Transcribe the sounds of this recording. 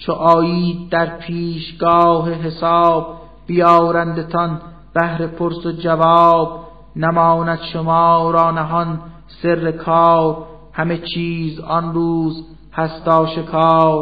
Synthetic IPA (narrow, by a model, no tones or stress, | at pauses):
t͡ʃʰoʔɑːjiːd̪̚d̪æɾpʰiːʃɡɒːɦeɦesɑːb̚ː | ijɑːɾænd̪et̪ʰɒn | b̥æhɾe̞pʰoɾsod͡ʒævɑːb | næmɑːnæd̪ʃomɑːɾɒːnæɦɒn | se̞rːekʰɑːɾ | hæmet͡ʃʰiːzɒnɾuːz | hæst̪ɒːʃe̞kʰɑːɾ